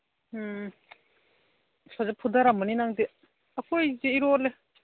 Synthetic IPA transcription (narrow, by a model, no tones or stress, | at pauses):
sazapʰud̪aɾamɯninaŋdi | akʰojzeiɾole